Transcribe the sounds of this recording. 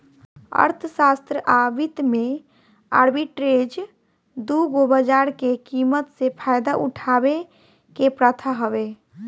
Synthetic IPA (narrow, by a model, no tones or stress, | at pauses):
ə̰ɾt̪ʰəsast̪ɾəʔabit̪me | a̰ɾbiʈɾed͡ʒ | d̪uɡobəd͡ʒaɾkekimət̪sepʰajd̪aʔuʈʰabe | kepɾət̪ʰaɦəbe